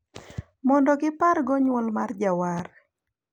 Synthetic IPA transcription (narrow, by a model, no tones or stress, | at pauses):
mɔndɔɡɪparɡɔɲwɔlmard͡ʒawar